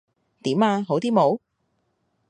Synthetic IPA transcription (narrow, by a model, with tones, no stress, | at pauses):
t̪iː˨˥maː˧ɦo˨˥wt̪iː˥mo˨˥w